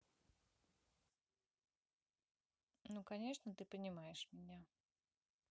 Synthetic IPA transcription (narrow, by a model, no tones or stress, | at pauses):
nukɐnʲe̞ʂnət̪ɨpənʲɪmajɪʂmʲɪnʲa